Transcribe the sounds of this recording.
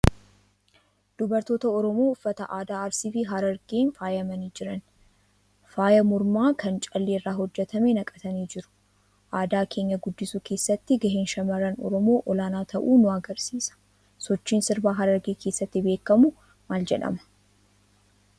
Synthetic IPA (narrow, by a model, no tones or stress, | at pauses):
d̪̥ʊbɐɾt̪o̞ːt̪ɐɔɾɔmo̞ːʊfːɐt̪ɐʔaːd̪aːɐɾsiːfɪɦɐɾɐɾɡeːnfaːjɐmɐniːd͡ʒɪɾɐn | faːjɐmʊɾmaːkʰɐnt͡ʃʼɐlːeːrːaːɦɔd͡ʒːɛt̪ʰɐmenɐkʼɐt̪ɐniːd͡ʒɪɾʊ̥ | ʔaːd̪aːkʰe̞ːɲːɐɡʊd̪ːɪsuːkʰeːsːɐt̪ːɪɡɐɦɪnʃɐmɐɾɐnɔ̰ɾɔmo̞ːʔɔlaːnaːt̪ʰɐʔuːnʊɐɡɐɾsiːsɐ̥ | sɔt͡ʃːiːnsɪɾbaːɦɐɾɐɾɡeːkʰeːsːɐt̪ːɪbe̞ːkːɐmʊ | maːld͡ʒɛᶑɐ̰mɐ̥